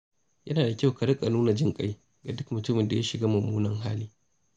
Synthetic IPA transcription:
jʔɐ˦naː˨da˨kʲa˦wka˨ɽɪ˦kʼa˨nuː˦na˨d͡ʒɪ˦ŋkʼa˦j | ɡa˨dʊ˦kmʊ˨tʊ˦mɪ˨nda˨ja˦ʃɪ˨ɡaː˦mʊ˨mːuː˦nɐ˨ŋɦa̰ː˦liː˦

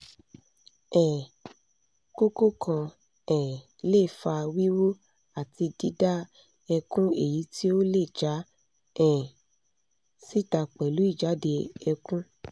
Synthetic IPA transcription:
ɛ˨ | ko˦ko˦kʰã˧ | ɛ̃˨ | le˦˨fa˧wi˦wo˦ | a˨ti˧di˦da˦ | ɛ˧kũ˦e˦˨ji˨˦ti˦o˦le˦˨d͡ʒa˨˦ | ɛ̃˨ | si˦ta˧k͡pɛ˨lu˨˦i˦˨d͡ʒa˨˦de˧ɛ˧kũ˦

